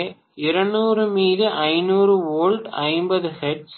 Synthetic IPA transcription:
ɪɾɐɳuːɾɯmiːðɯʔɐɪnuːɾɯʋoːlɖɐɪmbɐðɯhɛʈs

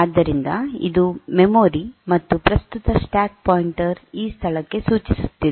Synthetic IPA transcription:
aːd̪ːɐɾind̪ɐḭd̪umemoːɾimɐt̪ːupɾɐst̪ut̪ɐsʈaːk̚poːjiɳʈɐɾiːst̪ʰɐɭɐkːe̞suːt͡ʃisu̥t̪ːid̪e

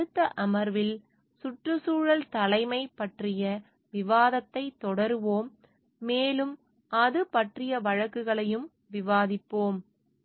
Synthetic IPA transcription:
ɯt̪ːɐʔɐmɐɾʋɪl | sʊʈrɯsuːɻɐlt̪ɐlɐɪmɐɪpɐʈrɪjɐ | ʋɪʋaːðɐt̪ːɐɪt̪ːɔɽɐɾɯʋoːmː | eːlɯm | ɐðɯpɐʈrɪjɐʋɐɻɐkːɯɣɐɭɐjɯm | ʋɪʋaːðɪpːoːm

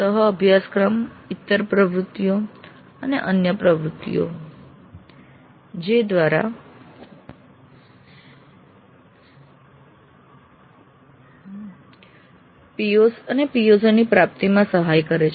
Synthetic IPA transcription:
səɦəːbʱjaskɾəmɪt̪ːəɾpɾəʋɾut̪ːjo | əneʔənjəpɾəʋɾut̪ːḭjo̰ | d͡ʒed̪ʋaɾa̰ | pijosənepijosnipɾap̚t̪imãsəɦajkəɾet͡ʃʰ

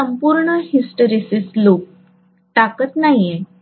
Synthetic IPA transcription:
əmpuɾɳəhisʈəɾisislok̚ | ʈakət̪najẽ

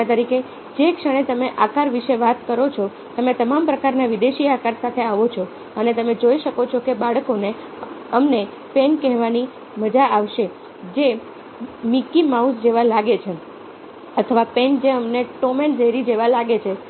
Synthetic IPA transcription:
t̪əɾike | d͡ʒekʃəɽ̃et̪əmeʔakaɾʋiʃeʋat̪kəɾot͡ʃʰɔ | t̪əmet̪əmampɾəkaɾnaʋid̪eʃiakaɾsat̪ʰeaʋot͡ʃʰɔ | ənet̪əmed͡ʒoiʃəkot͡ʃʰokebaɭkone | əmne | pɛnkɛɦʋani | məd͡ʒaaʋʃe | d͡ʒe | mikimausd͡ʒeʋalaɡet͡ʃʰe | ət̪ʰəʋapend͡ʒeəmneʈomend͡ʒəɦiɾid͡ʒeʋalaɡet͡ʃʰe

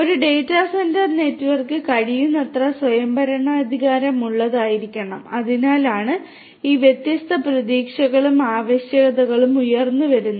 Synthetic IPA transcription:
o̞ɾuɖe̞ːjtːaːsendɐrne̞ːtːuʋɐrkɨkɐɽijunːet̪rɐswɐjɐmbɐɾɐɳɐːd̪ʱiɣaːɾɐmuɭːɐðaːjiɾikʲːɐɳɐmɐðinaːlaːɳɨ | iːʋjet̪jɐst̪ʰɐprɐðiːkʂɐɣɐɭumaːʋeɕjɐɣɐðɐɣɐɭumujɐrnːuʋɐɾunːɐ

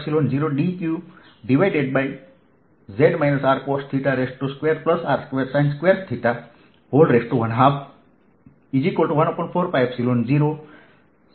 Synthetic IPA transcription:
silond͡ʒiɾoɖikju | ɖiʋajɖeɖ̚baj | zeɖmajnəsaːɾkosʈ̚t̪ʰiʈaɾesʈʈuskʋeɾplɐsaːɾskʋeɾsãjnskʋeɾt̪ʰiʈa | hoːlɾesʈːuʋɐnɦab | id͡ʒikoːlʈuʋɐnopɔ̃ɳʈfʰoːɾfajbsilonziɾo

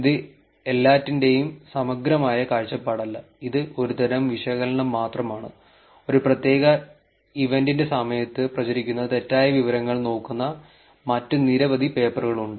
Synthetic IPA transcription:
iðɨ | e̞lːaːtːinde̞jumsɐmɐɡɾɐmaːjɐkaːɻt͡ɕːɐpːaːɽɐlːɐ | iðɨo̞ɾut̪ɐɾɐmʋiʂɐɣɐlɐɳɐmːaːt̪rɐmaːɳɨ | o̞ɾuprɐt̪je̞ːɣɐ | iʋe̞ndindesɐmɐjɐt̪ːɨprɐt͡ɕɐɾikʲːunːɐt̪e̞tːaːjɐʋiʋɐɾɐŋːɐɭno̞ːkːunːɐ | mɐtːɨniɾɐʋɐd̪ʱipe̞ːpɐrɣɐɭuɳɖɨ

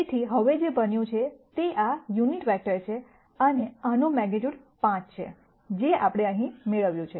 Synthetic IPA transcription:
t̪ʰiɦəʋed͡ʒebənjũt͡ʃʰet̪eʔajuniʈʋɛk̚ʈəɾt͡ʃʰe | əneənomɛɡed͡ʒuɽ | pãt͡ʃt͡ʃʰḛ | d͡ʒeapɽ̃eə̃ɦĩmeɭəʋjũt͡ʃʰe

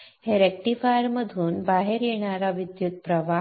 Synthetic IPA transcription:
heɾɛk̚ʈifajəɾməd̪ʱuːnbaɦeɾjeɳ̃aɾaʋid̪jut̪̚pɾəʋa

